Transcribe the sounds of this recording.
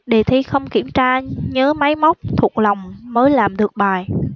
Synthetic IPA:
ɗe˨˩t̪ʰi˧˦xə˧wŋ͡mkḭ˧˩əmt͡ɕaː˧ɲəː˨˦ma˨˦jma˦˥wk͡p̚t̪ʰu˨˩ək̚la˨˩wŋ͡mməː˨˦jlaː˨˩mɗɨ˨˩ək̚ɓaː˨˩j

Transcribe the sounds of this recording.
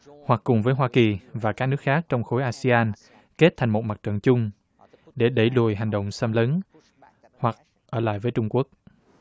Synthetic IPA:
hwa˨˩kːʊ˨˩ŋ͡mvəː˨˦jɦwaː˧ki˨˩vaː˨˩kaː˦˥k̚nɨ˦˥ək̚xaː˦˥k̚t͡ɕɔ˧wŋ͡mxo˨˦jʔaː˧si˧aː˧n | ke˦˥t̚t̪ʰa˨˩jŋmo˨˩t̚ma˨˩t̚t͡ɕə̰˧˨nt͡ɕʊ˧ŋ͡m | ɗe˧˩ɗə˧˩jlu˨˩əjɦa˨˩jŋ̟ɗə̰˧˨wŋ͡msə˧mləː˨˦n | hwa˨˩k̚ | ʔəː˧˩la̰ː˧˨jvəː˨˦jt͡ɕʊ˧ŋ͡mku˦˥ək̚

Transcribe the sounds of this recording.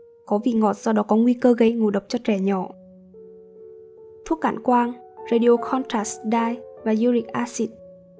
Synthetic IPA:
kɔ˨˦vḭ˧˨ŋɔ˨˩t̚zɔ˧ɗɔ˨˦kɔ˨˦ŋwi˧kəː˧ɣə˧jŋo˨˩ɗə˨˩wk͡p̚t͡ɕɔ˧t͡ɕɛ˧˩ɲɔ˧˩˨ | t̪ʰu˦˥k̚ka̰ː˧˩nkwaː˧n | ze˧ɗi˧o˧xʰɔ˧nt̪aː˧˥˩sɗaː˧jvaː˨˩zu˧li˨k̚ʔaː˧si˧˩t̚

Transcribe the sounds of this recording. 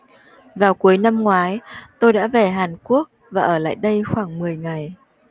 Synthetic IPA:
vaː˨˩wku˨˦əjna˧mŋwaː˨˦jt̪o˧jɗa̰ː˧˥ve˨˩ɦaː˨˩nku˦˥ək̚vaː˨˩ʔəː˧˩la̰ː˧˨jɗə˧jxwaː˧˩ŋmɨ˨˩əjŋa˨˩j

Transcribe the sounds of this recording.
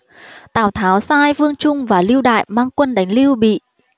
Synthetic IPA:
t̪a̰ː˧˩wt̪ʰaː˨˦wsaː˧jvɨ˧əŋt͡ɕʊ˧ŋ͡mvaː˨˩li˧əwɗa̰ː˧˨jmaː˧ŋkwə˧nɗa˨˦jŋ̟li˧əwɓḭ˧˨

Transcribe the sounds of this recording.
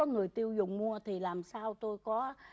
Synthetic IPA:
ɔ˨˦ŋɨ˨˩əjt̪i˧əwzʊ˨˩ŋ͡mmu˧ət̪ʰi˨˩laː˨˩msaː˧wt̪o˧jkɔ˨˦

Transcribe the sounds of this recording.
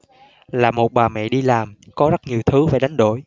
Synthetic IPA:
laː˨˩mo˨˩t̚ɓaː˨˩mɛ̰˧˨ɗi˧laː˨˩mkɔ˨˦zə˦˥ɲi˨˩əwt̪ʰɨ˨˦vaː˧˩jɗa˨˦ŋ̟ɗo̰˧˩˨j

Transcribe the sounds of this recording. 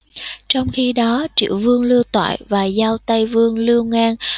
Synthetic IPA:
t͡ɕɔ˧wŋ͡mxi˧ɗɔ˨˦t͡ɕḭ˧˩˨əwvɨ˧əŋlɨ˧əwt̪wa̰ː˧˨jvaː˨˩zaː˧wt̪ə˧jvɨ˧əŋlɨ˧əŋaː˧n

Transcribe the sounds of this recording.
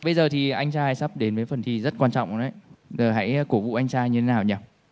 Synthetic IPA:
ɓə˧jzəː˨˩t̪ʰi˨˩ʔa˧jŋ̟t͡ɕaː˧jsa˦˥p̚ɗe˨˦nvəː˨˦jfə˨˩nt̪ʰi˧zə˦˥t̚kwaː˧nt͡ɕɔ̰˧˨wŋ͡mʔnʔə̰˧˩jzəː˨˩ɦa̰˧˥jko˧˩vṵ˧˨ʔa˧jŋ̟t͡ɕaː˧jɲɨ˧t̪ʰe˨˦naː˨˩wɲaː˨˩w̚

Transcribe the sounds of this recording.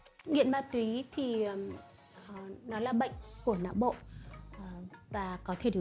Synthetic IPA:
ŋḭ˧˨ənmaː˨˧˩t̪wi˨˦t̪ʰi˨˩˨ | nɔ˨˦laː˨˩ɓə̰˧˨jŋ̟ku˧˩əna̰ː˧˨wɓo̰˧˨˩ | vaː˨˩kɔ˨˦t̪ʰe˧˩ɗi˨˩

